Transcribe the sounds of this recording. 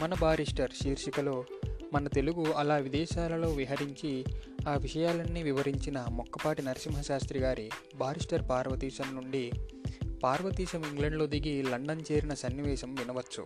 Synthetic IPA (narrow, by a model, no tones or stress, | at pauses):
mɐnɐbaːɾiʂʈɐɾʃiːɾʃikɐlo̞ːmɐnɐt̪e̞luɡuɐlaːʋid̪ɛːʃaːlɐlo̞ːʋiɦɐɾiɲt͡ʃiaːʋiʂɐjaːlɐnːiʋiʋɐɾiɲt͡ʃinɐmɔkːɐpaːʈinɐɾɐʃimɦɐʃaːst̪ɾiɡaːɾi | bʱaːɾiʂʈɐɾpaːɾʋɐt̪iːʃɐmnuɳɖi | paːɾʋɐt̪iːʃɐmiŋɡlɐɳɖlo̞ːd̪iɡilɐɳɖɐnt͡ʃeːɾinɐsɐnːiʋɛːʃɐmʋinɐʋɐt͡ʃːṵ